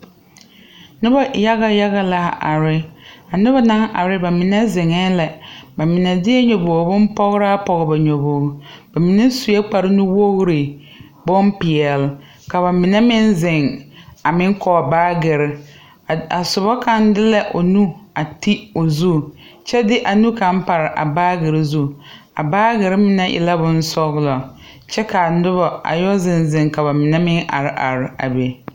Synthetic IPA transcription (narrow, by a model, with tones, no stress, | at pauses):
nʊ˦ba˦ja˦ɣa˨ja˦ɣa˦la˦ʔa̰˨ɾɪ˦a˨nʊ˦ba˦nã˦ŋa̰˨ɾɪ˦ba˨mɪ˨nɛ˦zɪ˨ŋɛː˦lɛ˨ba˨mɪ˨nɛ˨dɪ˦ɛ˦ɲo˨boː˨bʊ˦n˦pɔ˦ɣɾa˦pɔ˨ɣɛ˨ba˨ɲo˨boː˨ba˨mɪ˨nɛ˦su˨ɛ˦k͡pa˨ɾɪ˦nũ˦wo˦ɣɾi˨ | bʊ˦npɪ˨ɛ˨l | ka˨βa˨mɪ˨nɛ˦mɪ˦nzɪ˨ŋa˨mɪ˦ŋ˦kʰɔ˨baː˦ɡɪ˨ɾɪ˦˨ | a˨sʊ˨bɔ˦ka˦ndɪ˦la˦ʔo˨nu˦a˨ti˦o˨zu˦˨t͡ʃɛ˦dɪ˦ʔa˨nu˦ka˦m˦pa˨ɾɪ˨ʔa̰˨baː˦ɡɪ˨ɾɪ˨zu˦˨ | a˨baː˦ɡɪ˨ɾɪ˦mɪ˦nɛ̰˦ʔɛ̰˨la˦bʊ˦n˦sɔ˦ɣlɔ˨ | t͡ʃɛ˦ka˨nʊ˦bɔ˨a̰˨jɔ˦zɪ˨nzɪ˨ŋka˨ba˨mɪ˨nɛ˦mɪ˦ŋa̰˨ɾɪ˦ʔa˨ɾɪ˨a̰˨be˨